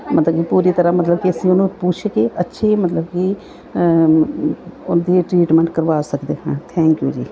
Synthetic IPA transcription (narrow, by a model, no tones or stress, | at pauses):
mɐt̪ləb̚kipuːɾit̪əɾamɐt̪ləb̚kiɐsĩʊnũpuːt͡ʃʰekiɐtːʃʰemət̪ləb̚ki | ʊnd̪iʈɾiːʈmə̃ɳʈkəɾʋaːsəkd̪eːɦãːt̪ʰɛ̃ːŋkjṵːd͡ʒḭː